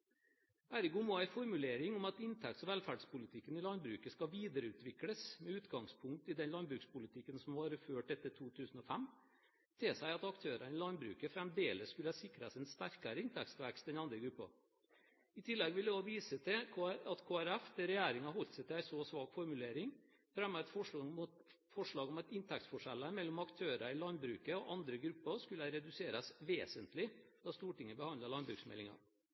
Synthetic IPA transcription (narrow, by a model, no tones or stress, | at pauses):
æɾɪɡuːmoːæɪfɔɾmʉleːɾɪŋʊmɑt̪ɪnt̪ʰɛkt̪sɔʋɛːlfæɖspʊlɪt̪ʰɪkːənɪlɑnbɾʉːkəskɑʋiːd̪əɾəʉːt̪ʋɪkləsmɛʉːt̪ɡɑŋspʰʊŋk̚t̪ɪd̪ɛnlɑnbɾʉːkspʊlɪt̪ʰɪkːənsɔmʋɑːɾəføːʈɛt̪ːəʈʰuːt̪ʰʉːsn̩ɔfæmː | t̪ʰɪsæɪɑt̪ɑkt̪ʰøːɾɑnɪlɑnbɾʉ̰ːkəfɾɛmd̪eːləsskʉləɑsɪkɾəsɛnst̪æɾkɑɾəɪnt̪ʰɛkst̪ʋækst̪d̪ɛnɑnd̪ɾəɡɾʉpːɑ̰ | ɪt̪ʰɪlːɛɡʋɪlɛd̪ɔʋiːsət̪ʰɪɑt̪kʰoːæɾɛfd̪ɛɾɛjæːɾɪŋɑɦɔlt̪sɛɪt̪ɪlæɪsɔsʋɑːɡfɔɾmʉleːɾɪŋ | fɾɛmɑɛt̪fɔʂ | fɔʂɭɑːɡɔmɛt̪ɪnt̪ʰɛk̚t̪fɔʂɛlːəɾmɛlːɔmɑkt̪ʰøːɾɑɾɪlɑnbɾʉ̰ːkəɔʔɑnd̪ɾəɡɾʉpːəɾʂkʉləəɾɛd̪ʉseːɾɑsʋeːsənt̪lɪd̪̥ɑst̪uːʈɪŋːəbəhɑndləɾlɑnbɾʉ̰ːksmɛ̰lɪŋɑ̰